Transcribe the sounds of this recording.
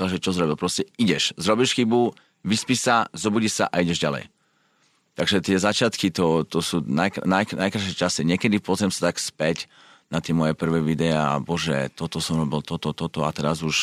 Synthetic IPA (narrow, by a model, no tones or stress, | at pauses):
aʒɛt͡ʃɔzɾɔbilpɾɔscɛiɟɛʃzɾɔbiʃxibu | ʋispiːʃsazɔbuɟiʃsa̰ʔaiɟɛʒɟalɛ̰j | t̪aɡʒɛt̪ɪɛzat͡ʃɪat̪kit̪ɔt̪ɔsuːnajknajknajkɾaʃɪɛt͡ʃasiɲɛkɛd̪ipʊɔzɾɛmsat̪akspɛc | nat̪ɪɛmɔjɛpr̩ʋɛːʋid̪ɛaa̰bɔʒɛ̰t̪ɔt̪ɔsɔmɾɔbilt̪ɔt̪ɔt̪ɔt̪ɔat̪ɛɾazuʃ